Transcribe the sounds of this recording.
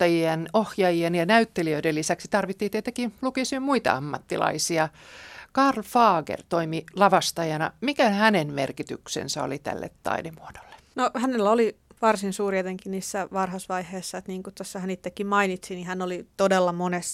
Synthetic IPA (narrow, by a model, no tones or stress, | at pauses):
ɑjienohjɑjienjɑnæyt̪ːeliøidelːisæksi̥t̪ɑrʋit̪ːiːt̪eit̪ːekilukisimmuit̪ɑ̰ɑmːɑt̪ːilɑ̰isiɑkɑrlfɑːɡḛrt̪oimilɑʋɑst̪ɑjɑnɑmikæhænenmerkit̪yksḛnsæo̰lit̪æ̰lːḛt̪tɑ̰idemuod̥o̥lːe̥ | nohænelːæoliʋɑrsinsuːriet̪eŋkiniːsːæʋɑrhɑsʋɑiheːsːɑet̪niːŋkutt̪osːɑhænit̪ːekːimmɑinit̪sinihænːolit̪odelːɑmones